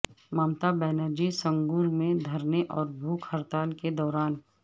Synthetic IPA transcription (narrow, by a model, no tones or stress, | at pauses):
maːmt̪abɛːnəɾd͡ʒisə̃ŋɡuɾmẽd̪ʱɐɾneʔɔːɾbʱuːkhəɾt̪aːlked̪ɔːɾaːn